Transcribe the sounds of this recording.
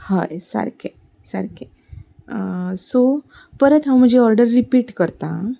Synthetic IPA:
ha̰jsə̰ɾkʰe | sə̰ɾke | so | pəɾət̪ɦãw̃m̤ə̃nd͡ʑeɔɾɖəɾːipiːʈkəɾt̪ã

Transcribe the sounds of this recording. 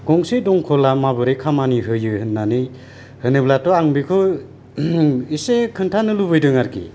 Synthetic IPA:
ɡ̥ɔŋsedɔŋkʰɔlamabɯɾɯjkʰamaniɦɯjɯhɯnːanɯj | hɯnɯblatɔaŋbikʰɯ | isekʰɯntʰanɯlubɯjdɯŋaɾkḭ

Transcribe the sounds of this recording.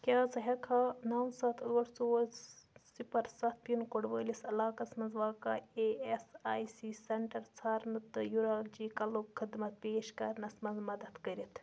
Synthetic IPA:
kʲaːzɐɦɐkʰaːnɐːwsɐt̪ʰəːʈsoː | sipɐɾsɐt̪̚ʰpinkoɽʋəːlisɐlaːkɐsmɐnzʋaːkɐeesaːjsiːsɐɳʈɐɾt͡sʰaːɾnɨt̪ɨjuɾaːld͡ʒiːkɐlokʰːɨd̪mɐt̪̚peːʃkɐɾnɐsmɐnzmɐd̪ɐt̪kɐɾit̪ʰ

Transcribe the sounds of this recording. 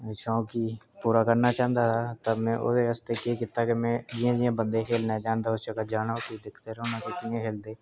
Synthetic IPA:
ʃõːkipuːɾakəɾnat͡ʃãːnd̪at̪ʰaːt̪əmɛ̃ːʔʊ̰seəst̪ekekɪt̪ːakemɛ̃ːd͡ʒijãd͡ʒijãbə̃nd̪ekʰeːlnad͡ʒãːnd̪aʊsʃəkət̪d͡ʒaːnakid̪ɪkʰt̪eɾonãkekiẽkʰeːld̪eː

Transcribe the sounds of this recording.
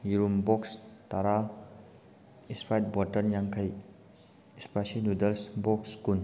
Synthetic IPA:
jiɾumbɔkstaɾa | ispʰajt̚bɔtɐɾnjaŋkʰɐj | ispasiludɐlsbɔkskun

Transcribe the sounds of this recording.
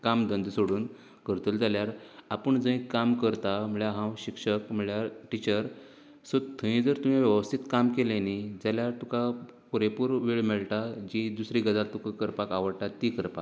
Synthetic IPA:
kamd̪ənd̪soɽuːn | kəɾt̪uld͡zaljaɾapəɳd͡zə̃ĩkamkəɾt̪am̤əɭjaɦãwɕikʂəkm̤əɭjaɾʈit͡ɕəɾ | sot̪ʰːə̃ĩd͡zəɾt̪um̤iʋjəʋəst̪ʰit̪kamkelẽnid͡zaljaɾt̪uka | puɾepuɾʋeɭmeɭʈad͡ʑid̪usɾiɡəd͡zalt̪ukãkəɾpakaʋəɽʈat̪ikəɾpak

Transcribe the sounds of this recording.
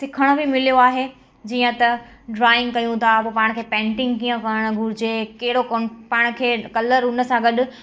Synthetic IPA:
sɪkʰəɽ̃obʱimɪlijoaːɦe | d͡ʑiːə̃t̪ɐɖɾaːɪ̃ŋɡkɐjũt̪ʰapoːpaːɪɽ̃kʰeːpɛ̃ːɳʈɪ̃ŋɡkiːə̃kɐɾəɽ̃ʊ̆ɡʱʊɾɪd͡ʑekeɦɪɽokopãːɪɽ̃kʰeːkɐləɾʊnə̆sãɡɐɗʊ̆

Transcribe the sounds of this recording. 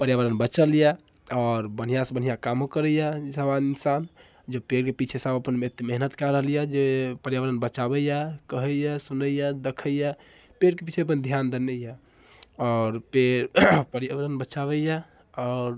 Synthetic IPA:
pəɾjaʋəɾənbət͡ʃəlja | ɔːɾbən̤ijasəbən̤ijakamokəɾəjasəbaninsan | d͡ʒepeɾkepit͡ʃʰesəbəpənet̪meɦnət̪kaɾəɦəlijad͡ʒepəɾjaʋəɾənbət͡ʃabɛjakəɦəjasunəjad̪ekʰəja | peɾkepit͡ʃʰeəp̬ənd̪ʱijand̪ənəja | ɔːɾpeɾpəɾjaʋəɾənbət͡ʃaβəja | ɔɾ

